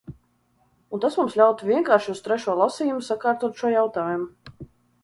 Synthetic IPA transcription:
unt̪asmumslʲawt̪uviɛŋkaːɾʃiust̪ɾɛʃuɔlˠasiːjumsakaːɾt̪uɔt̪ʃuɔjawt̪aːjumu

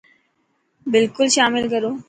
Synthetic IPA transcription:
bɪlkulʃaːmilkəɾo

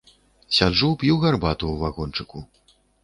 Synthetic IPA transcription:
sʲad͡ʐupʲjuwɣarbat̪uwvaɣɔnt͡ʂɨku

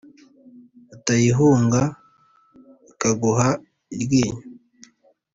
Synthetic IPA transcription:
atajiɦuːŋɡa | ikaɡuɦa | iɾɡiːɲa

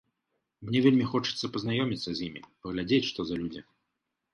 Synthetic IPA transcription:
mnʲɛvʲelʲmʲixɔt͡ʂɨ̥t̪sːɐpɐznajɔmʲit̪sːɐzʲjimʲḭpɐɣlʲad͡zʲet͡sʲʂt̪ɔzɐlʲud͡zʲi

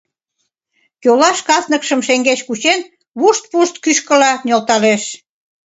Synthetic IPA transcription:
kølɑʃkɑsnə̆kʃəmʃeŋɡet͡ɕkut͡ɕen | βuʃt̪̚puʃt̪kyʃkə̆lɑnʲolt̪ɑleʃ

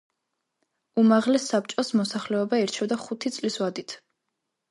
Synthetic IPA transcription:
umaʁlɛsːap̚t͡ʃʼɔsmɔsaχlɛɔbaiɾt͡ʃʰɛvd̪aχut̪ʰit̪sʼliswad̪it̪ʰ

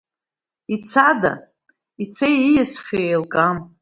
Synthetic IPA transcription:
it͡sʰada̰ | it͡sʰejijasχʲeelkʼam

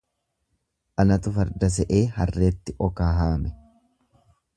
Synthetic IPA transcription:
ʔɐnɐt̪ʊfɐɾd̪ɐs̬ɛʔeːhɐrːeːt̪ːɪʔɔkaːɦaːmɛ

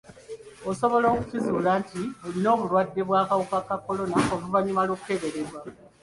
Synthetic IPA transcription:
o̞so̞βo̞lo̞ːkucizuːlaːntiolino̞ːβulwadːe̞βwaːkawukakako̞lo̞naʔoluvaɲumaloːkute̞βe̞ɾe̞ɾwa

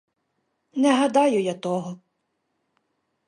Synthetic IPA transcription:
nɛɦɐd̪ɑjʊjat̪ɔɦɔ

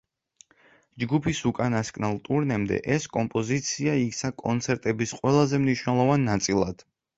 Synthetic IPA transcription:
d͡ʒɡupʰisukʼanaskʼnalˠt̪ʼuɾnɛmd̪ɛ̰ʔɛskʼɔmpʼɔzit̪sʰiaiksakʼɔnt̪sʰɛɾt̪ʼɛbisqʼwɛlˠazɛmniʃwnɛlˠɔvanːat̪sʼilˠad̪̥

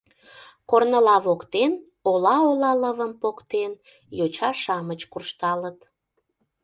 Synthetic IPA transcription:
kornəlɑβokt̪en | olɑolɑləβəmpokt̪en | jot͡ɕɑʃɑmət͡ɕkurʃt̪ɑlət̪

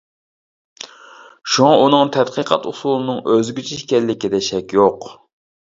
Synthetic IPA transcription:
ʃuŋɑʔunɨŋt̪ʰɛt̪qʰəqʰɑ̰t̪usulˠɨnɨŋøzɡʲyt͡ʃʰiʃkʲɛlːɪkʲid̪ɛʃɛkʲjoq

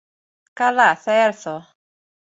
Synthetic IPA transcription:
kalasɛɛɾsɔ

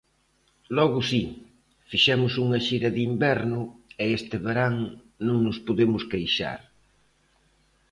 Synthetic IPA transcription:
lɔɣʊsi | fiʃɛmʊsuŋɐʃiɾɐðimbɛɾnʊeest̪ɪβeɾaŋ | nõŋnʊspoðemʊskejʃa̰ɾ

